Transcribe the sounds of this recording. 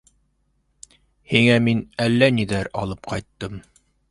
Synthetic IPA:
hiŋæminælːæniðæɾɑ̰lˠɤpqʰɑjt̪ːɤm

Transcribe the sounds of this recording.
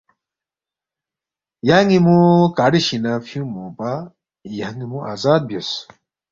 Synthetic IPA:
jaŋimukaːɽiɕinɐfʰjũmupa | jaŋimũʔa̰ːzaːd̪̚bjos

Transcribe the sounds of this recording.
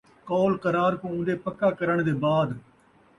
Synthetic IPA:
kɔːlqəɾaːɾkõːʊ̃nɖ̪eːpəkːaːkəɾəɳ̃d̪eːbaːd̪

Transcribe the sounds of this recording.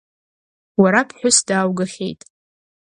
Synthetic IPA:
waɾapʰħʷᶣʊsdaːwɡaχʲḛjtʼ

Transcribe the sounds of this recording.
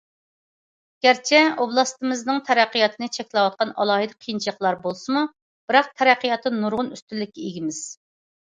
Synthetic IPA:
ɡ̥ʲæɾt͡ʃʰɛoblˠɑst̪ɨmɨznɨŋt̪ʰɛɾæqːijɑt̪ʰɨnɨt͡ʃʰɛkʲlɛwɑt̪̚qɑnɑ̰lˠɑːɦɨd̪ɨqʰijnt͡ʃʰqlˠɑɾbolˠsɨmu | b̥ɪɾɑq̚t̪ʰɛɾæqʰːijɑt̪ʰːɨnuɾʁʊnyst̪ynlːɪkʲːɛeɡʲimɪz̥

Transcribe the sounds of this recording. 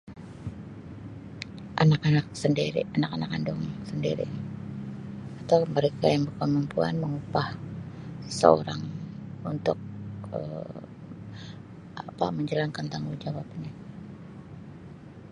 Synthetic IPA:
ʔa̰nakanak̚səndiɾḭanakanakandʊŋsəndiɾḭ | at̪awməɾekajaŋbərkəmumpua̰nməŋupah | ə̥sə̰o̰ɾaŋunt̪ʊk̚ə̰ | apa̰məɲd͡ʒəlaŋkant̪aŋud͡ʒawapaɲa

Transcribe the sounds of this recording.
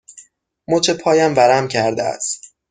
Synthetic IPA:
mot͡ʃʰepʰɒːjæmvæɾæmcʰæɾd̪eæ̰st̪

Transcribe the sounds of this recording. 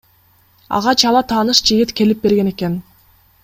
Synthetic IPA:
ɑ̰ʁɑt͡ʃɑlˠɑt̪ʰɑːnɯʃd͡ʒiɡit̪ke̞lip̚be̞ɾɡe̞ne̞ke̞n

